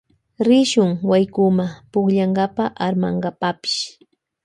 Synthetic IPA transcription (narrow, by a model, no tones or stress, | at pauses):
ɾɪʃʊŋwajkʊmapʊkʎaŋɡapaʔaɾma̰ɴɢapapɪ̥ʃ